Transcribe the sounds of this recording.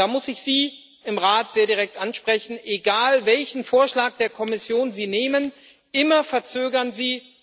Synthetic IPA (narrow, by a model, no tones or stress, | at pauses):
daːmʊsɪçz̥iː | ɪmʁaːtz̥eːɐdiʁɛk̚tʔanʃpʁ̥ɛçn̩ʔeɡaːlvɛlçn̩foːɐʃlaːk̚d̥eːɐkʰɔmɪsjoːnziːneːmən | ʔɪmɐfɛɐt͡søːɡɐnziː